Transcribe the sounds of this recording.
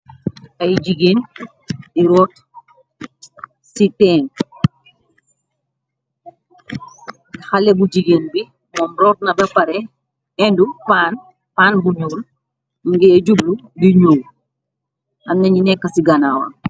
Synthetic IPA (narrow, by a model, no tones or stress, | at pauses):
ɐjd͡ʒiɡeːn | iɾɔːt | sitɛːŋ | xɐlɛbud͡ʒiɡeːnbi | mɔːmɾɔːt̚nɐbɐpɐɾɛ | ɛndupaːn | paːnbuɲoːl | ŋɡɛɐɟubludiɲuːl | ɐmnɐɲinɛkːɐsiɡɐnaːwɐ̰